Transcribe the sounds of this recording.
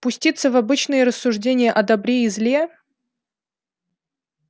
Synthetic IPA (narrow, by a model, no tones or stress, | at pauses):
pʊsʲtʲit̪səvɐbɨt͡ɕnɨjəɾəsːʊʐdʲenʲɪjəʔɐd̪ɐbɾʲeɪzlʲe